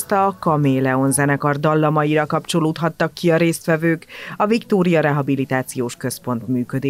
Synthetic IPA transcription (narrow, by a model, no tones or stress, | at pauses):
st̪ɒkɒmeːlɛo̞nzɛnɛkɒrd̪ɒlːɒmɒjiɾɒkɒpt͡ʃo̞loːt̪ɦɒt̪ːɒkːiɒɾeːst̪ʋɛvøːkɒvikt̪oːɾijɒɾɛɦɒbilit̪aːt̪sijoːʃkø̞spo̞n̪t̪myːkød̪eː